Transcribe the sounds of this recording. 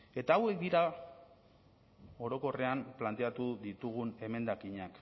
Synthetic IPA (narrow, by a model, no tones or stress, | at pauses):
e̞t̪aːwe̞k̚d̪iɾa | o̞ɾo̞ko̞re̞amplant̪e̞at̪uðit̪uɣ̞une̞me̞nd̪akiɲak